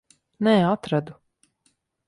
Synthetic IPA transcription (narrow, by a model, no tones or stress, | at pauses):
nɛːat̪ɾad̪u